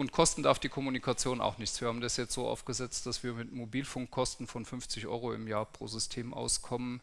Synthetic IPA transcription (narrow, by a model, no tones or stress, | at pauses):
ʊntkʰɔstn̩daɐfd̥iːkʰɔmunikʰat͡sjoːnʔa̰ʊxnɪçtt͡sv̥iːɐhaːm̩dasjɛt͡stz̥oːʔa̰ʊfɡ̥əzɛt͡std̥asv̥iːɐmɪtmobiːlfʊŋkʰːɔstn̩fɔnfʏnft͡sɪçʔɔ̰ʏʁoɪ̰mjaːɐpʁ̥o̰ːzʏstʰeːmʔa̰ʊskʰɔmən